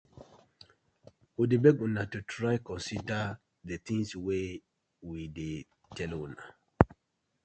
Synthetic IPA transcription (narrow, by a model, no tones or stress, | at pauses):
udebɛɡũnatutɹaɪkɔ̃nsida | det̪ĩŋswe | wide | tɛluna